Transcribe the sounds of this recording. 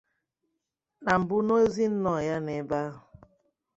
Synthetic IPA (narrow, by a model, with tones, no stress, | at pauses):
na˨m̩˨bʊ˦no˦e˦zi˦n̩˦nɔ˨ja˦ne˨ba˦ɦʊ˨